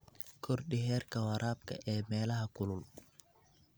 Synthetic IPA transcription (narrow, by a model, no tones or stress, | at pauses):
kʰɔɾɗihɛːɾkawaɾʔaːb̚ka̰ʔɛmɛːlahakulul